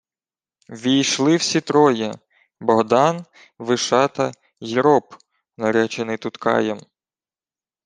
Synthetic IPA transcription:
ʋʲijʃlˠɪwsʲit̪ɾɔjɛ | bɔɦd̪ɑn | ʋɪʃɑt̪ɐ | jiɾɔp | nɐɾʲɛt͡ʃenɪt̪ut̪kɑ̰jɛm

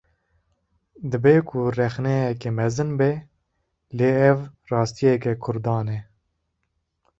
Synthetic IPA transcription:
d̪ɨbeːkʰʊrɛxnɛjɛkemɛzɨnbɛ | leːɛvrɑːst̪ijɛkɛkʰʊɾd̪ɑːnɛ

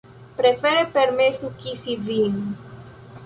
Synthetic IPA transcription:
pɾefeɾepeɾmesukisivin

